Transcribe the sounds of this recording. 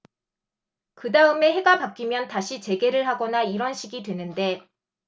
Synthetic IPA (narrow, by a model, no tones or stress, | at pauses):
kɯdaɯme̞ɦe̞ɡapap̚k͈imjʌntaɕʰit͡ɕe̞ɡe̞ɾɯɭɦaɡʌnaiɾʌnɕʰiɡidwe̞nɯnde̞